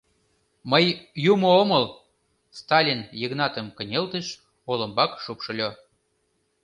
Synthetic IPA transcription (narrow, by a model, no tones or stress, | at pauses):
məjjumoomɤl | st̪ɑlʲinjəɣnɑt̪ə̆mkə̆nʲelt̪əʃ | olə̆mbɑkʃupʃɤ̆lʲo